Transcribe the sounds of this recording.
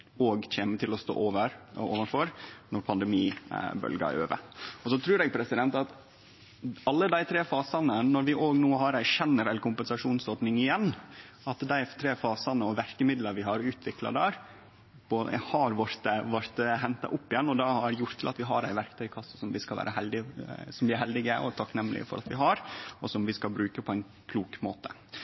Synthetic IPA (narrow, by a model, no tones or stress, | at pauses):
oːɡçeːmət̪ʰɪlɔst̪o̰ːoːʋəɾo̰ːʋənfɔɾnɔɾpʰɑnd̪ɛmiːbœ̰lɡɑ̰ø̰ːʋə̰ɔsɔt̪ʰɾʉːɾɛɡpʰɾɛsɪd̪ɛnt̪ɑt̪ | ɑlːəd̪æɪt̪ʰɾeːfɑːsɑnənɔɾʋɪʔoːɡnoːɦɑɾæɪʃɛnːəɾɛlkʰʊmpɛnsɑʂuːnsɔd̪nɪŋɪjɛnː | ɑt̪d̪æɪt̪ʰɾeːfɑːsɑnəɔʋæɾkəmɪd̪lɑɾʋɪɦɑɾʉːt̪ʰʋɪklɑ̰d̪æːɾ | bohɑɾʋɔɾt̪əʋɑɾt̪ɦɛnt̪ɑ̰ʔʊpːɪjɛnːɔd̪ɑhɑɾjʊɾt̪ʰːɪlɑ̰t̪ʋɪɦɑ̰ɾæ̰ɪʋæɾkt̪ʰœʏkʰɑsə̥sɔmʋɪskɑlʋæ̰ːɾəhɛld̪ɪsɔmd̪ɪæɾhɛld̪ɪɡəʔɔ̰t̪ʰɑknɛmːlɪ̰əfɔ̰ɾʔɑ̰t̪ʋɪɦɑɾɔsɔmʋɪskɑlbɾʉːkəpʰɔæɪn | kʰluːkmo̰ːt̪ə̥̰